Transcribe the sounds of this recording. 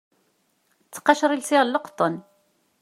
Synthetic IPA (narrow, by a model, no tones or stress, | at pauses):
t͡sːqɑʃɾˤilsɪʁlːəqt̪ˤːən